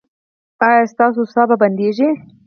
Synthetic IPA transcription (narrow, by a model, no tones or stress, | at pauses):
ɑjɑst̪ɑsosɑbaband̪eʒi